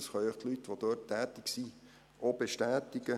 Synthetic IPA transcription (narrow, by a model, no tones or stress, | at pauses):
sχœʏəχt̪lytːʋod̥̪øːtʰːæːt̪ɪksi | ʔob̥eʃtæːtɪɡə